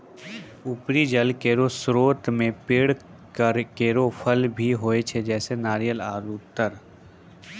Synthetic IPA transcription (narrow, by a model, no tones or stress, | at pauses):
ʊpɾid͡ʒəlkeːɾosɾoːt̪mẽpɪɽ | kəɾkeːɾopʰəlbʱiɦoːet͡ʃʰed͡ʒɛːsenaːɾijəlaːɾuːt̪əɾ